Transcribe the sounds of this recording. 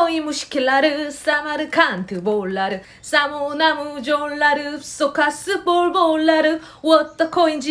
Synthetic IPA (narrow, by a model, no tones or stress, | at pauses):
oimuɕi̥kilːaɾɯsamaɾɯkʰant̪ʰɯboɭːaɾɯ | samonamud͡ʒonːaɾɯsokasɯbolbolːaɾɯ | wɔt̪ːakʰoind͡ʒi